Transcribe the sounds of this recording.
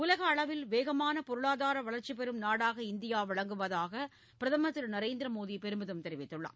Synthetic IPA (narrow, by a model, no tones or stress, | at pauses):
ʊlɐɣɐːɭɐʋɪlʋeːɣɐmaːnɐpɔɾɯɭaːðaːɾɐʋɐɭɐɾt͡ʃːipɛɾɯmnaːɽaːɣɐɪnd̪ɪjaːʋɐɭɐŋɡɯʋɐðaːɣɐ | pɪɾɐðɐmɐt̪ːɪlnɐɾeːnd̪ɪɾɐmoːðipɛɾɯmbɯðɯmt̪ɛɾɪʋɪt̪ːɯɭːa̰ː